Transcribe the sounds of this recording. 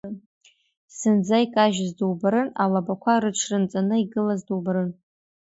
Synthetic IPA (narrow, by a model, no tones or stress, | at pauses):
sɨnd͡zaikʼaʒzduwbaɾɨnalabakʷʰaɾɨʈ͡ʂʰrɨnt͡sʼanɨiɡɨlazdowbɾɨn